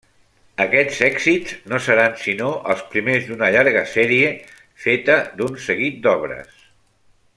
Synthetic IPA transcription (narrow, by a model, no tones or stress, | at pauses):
əkɛz̥ɛɡz̥iznosəɾansinoʔə̰lˠspɾimezd̪unəʎaɾɣəsɛɾie | fet̪əðunsəɣit̪̚d̪ɔβ̞ɾə̰s